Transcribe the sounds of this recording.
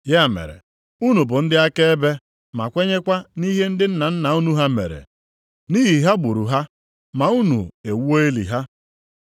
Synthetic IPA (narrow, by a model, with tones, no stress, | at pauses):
ja˦˨mḛ˨ɾḛ˨ | u˦nu˨bʊ˨n̩˦dɪ˦a˦ke˦e˦be˦ | ma̰˨kʷe˦ɲe˦kʷa˦ni˦ɦe˦n̩˦dɪ˦n̩˦na˨n̩˦na˨u˦nu˦ɦa˦mḛ˨ɾḛ˨ | ni˦ɦi˨ɦa˦ɡ͡bu˨ɾu˨ɦa˦ | ma˨u˦nṵ˨e˨wo˦e˦lḭ˨ɦa˦